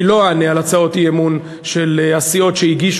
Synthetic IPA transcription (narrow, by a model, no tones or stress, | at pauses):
ilo̞anealat͡sao̞tijemun | ʃelasio̞tʃeiɡiʃ